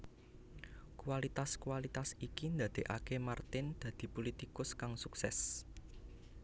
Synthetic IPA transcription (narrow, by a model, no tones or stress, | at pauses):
kualit̪askualit̪asikind̪ä̤d̪̥e̤ʔa̰kemart̪ɪnd̪̥ä̤d̪̥i̤polit̪ikʊskaŋsuksɛs